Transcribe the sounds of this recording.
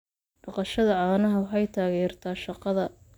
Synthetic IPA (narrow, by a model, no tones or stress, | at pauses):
ɖɑqɑʃɐðɐʕɑːnɐɦɐwɑħɑjt̪ʰaːɣɛːrt̪ʰaːʃɑqɑðɐ